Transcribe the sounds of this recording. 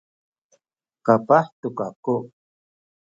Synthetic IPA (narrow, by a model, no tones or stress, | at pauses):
kapaht̪ukaku